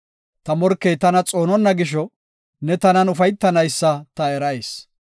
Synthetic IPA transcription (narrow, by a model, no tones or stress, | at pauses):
t̪ɐmɔɾkːɛjt̪ɐnɐt͡sʼoːnɔnːɐɡɪʃ̬ɔ | nɛt̪ɐnɐnʊfɐjt̪ːɐnɐjsːɐt̪ɐɛɾɐjes